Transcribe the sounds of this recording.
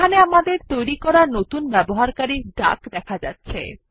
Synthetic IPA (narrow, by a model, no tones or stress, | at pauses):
aneamad̪eɾt̪ojɾikɔɾaɾnot̪unbɛboɦaɾkaɾiʈa̰kd̪ɛkʰad͡ʑa̰tːɕʰḛ